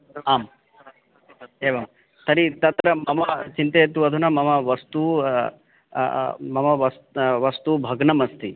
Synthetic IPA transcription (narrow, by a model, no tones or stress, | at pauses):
aːm | eːʋɐm | t̪ɐɾit̪ɐt̪ɾɐmɐmɐt͡ʃint̪ejet̪̬uɐd̪ʱunɐmɐmɐʋɐst̪u | mɐmɐʋɐsʋɐst̪ubʱɐɡnɐmɐst̪ʰi